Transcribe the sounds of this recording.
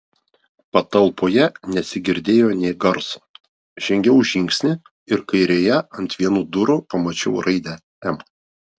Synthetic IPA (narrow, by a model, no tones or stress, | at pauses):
pɐt̪ɐlˠˑpoːjɛnʲɛsʲɪɡʲɪɾʲd̪ʲeːjoːnʲeːɡɐɾso̥ː | ʒ̥ʲɛŋʲɡʲɛʊʒʲɪŋʲksʲnʲɪ | ɪɾkɐɪɾʲeːjɛɐnʲt̪ʲʋʲiɛnuːd̪ʊɾʊpɐmɐt͡ʃʲɛʊɾʔɐɪd̪ʲɛ | ɛm